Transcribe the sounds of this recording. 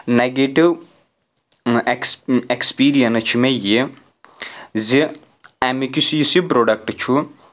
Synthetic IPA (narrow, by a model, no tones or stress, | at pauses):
neɡeʈiʋ | ekekspiːɾijɐnt͡ʃʰimeje | zi | ɛmikisijisipɾoːɖɐk̚ʈt͡ʃʰu